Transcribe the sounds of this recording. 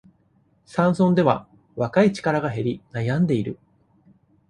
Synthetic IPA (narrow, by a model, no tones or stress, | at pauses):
sãɰ̃sõ̞nd̪e̞βa̰ | βakait͡ɕi̥kaɾaɡaɦe̞ɾʲinajãnd̪e̞iɾɯ̟